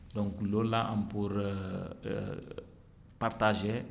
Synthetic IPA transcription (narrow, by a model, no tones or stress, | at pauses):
d̪ɔ̃ŋklolaʔampuɾ | paɾt̪aʒe